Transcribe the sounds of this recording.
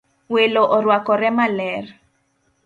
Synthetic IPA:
welɔʔɔɾwakɔɾɛmalɛr

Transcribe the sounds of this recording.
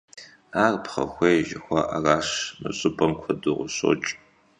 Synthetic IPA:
aːrpχɐ̰xʷejʒɪxʷɑʔaraːɕnɨɕʼɨpʼɐmkʷʰɔdɨʁʷʊɕʼo̰t͡ʃʼ

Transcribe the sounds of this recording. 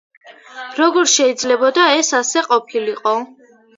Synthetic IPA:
ɾɔɡɔɾʃɛid̪zlɛbɔd̪aɛsasɛqʼɔpʰiliqʼɔ

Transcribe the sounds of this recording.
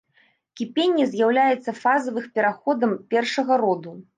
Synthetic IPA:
kʲipʲenʲːɛzʲjawlʲajɛt̪sːɐfazɐvɨxpʲɛɾaxɔd̪ɐmpʲɛrʂɐɣɐɾɔd̪u

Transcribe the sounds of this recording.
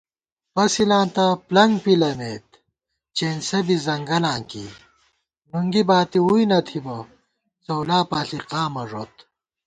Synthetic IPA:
pɐsilãːnt̪ɐplɐŋɡpilɐneːt̪̚ | t͡ɕeːnsɐbizɐŋɡɐlãːŋkḭ | nuŋɡibaːt̪iujnɐt̪ʰibɐ | t͡sɐwlaːpaːɬiqaːmɐʐot̪

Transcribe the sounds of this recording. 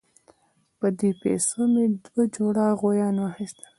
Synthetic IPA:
pəd̪epḛsomed̪wad͡ʒoɽɑɣojɑnwɑxist̪a

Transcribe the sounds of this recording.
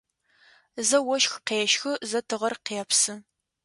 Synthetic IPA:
zɐwɔʃxqeːʃxɨzɐtʰɨʁɐrqeːpsɨ

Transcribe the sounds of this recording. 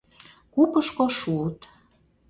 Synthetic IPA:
kupəʃkoʃut̪

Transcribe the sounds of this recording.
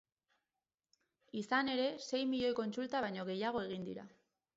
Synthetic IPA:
isane̞ɾe̞se̞jmiʎo̞jko̞nt͡sult̪aβajɲo̞ɣe̞jaɣ̞o̞e̞ɣ̞ind̪ḭɾa̰

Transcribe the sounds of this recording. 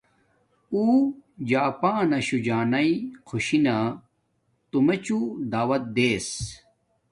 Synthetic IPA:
uːd͡ʑaːpaːnɐɕud͡ʑaːnɐikʰuɕina | t̪umet͡ɕud̪aːwɐt̪̚d̪eːs

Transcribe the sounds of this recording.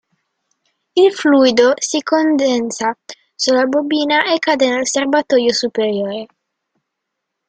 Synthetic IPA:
ilfluːjd̪osikond̪ɛnt̪sa | sulabobiːnaʔekːaːd̪enelserbat̪ɔːjosupeɾjoːɾe

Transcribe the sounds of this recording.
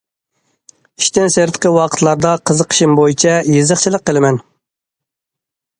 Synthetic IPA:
iʃt̪ɪnseɾt̪ʰə̥qʰəwɑqʰə̥t̪ʰlˠɑɾd̪ɑqʰəzəqʰə̥ʃimbojit͡ʃʰɛjezəχt͡ʃʰilˠəqːəlˠɨmɛn

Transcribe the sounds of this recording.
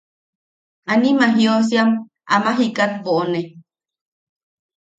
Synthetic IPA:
animaɦjos̬jam | a̰maɦikat̪̚boʔone

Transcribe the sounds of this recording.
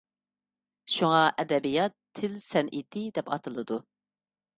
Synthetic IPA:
ʃuŋɑʔɛd̪ɛbijɑt̪ʰːɪlsɛnʔit̪ɪd̪ɛpɑ̰t̪ʰɨlˠɨd̪u

